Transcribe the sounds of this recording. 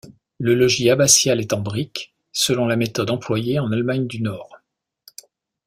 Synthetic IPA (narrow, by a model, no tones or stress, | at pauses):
ləlɔʒiabasjalɛt̪ɑ̃bʁik | səlɔ̃lamet̪ɔd̪ɑ̃plwajeɑ̃nalmaɲd̪ynɔːʁ